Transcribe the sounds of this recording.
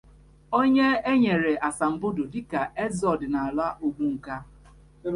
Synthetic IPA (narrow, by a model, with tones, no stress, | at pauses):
o˦ɲe˦e˦ɲe˨ɾe˨ʔa˨sa˨m̩˨bʊ˦do˨dɪ˦ka˨ʔe˦zɔ˨dɪ˨na˨a˨la˦ʔu˦ɡ͡bu˦ŋ̩˨ka˦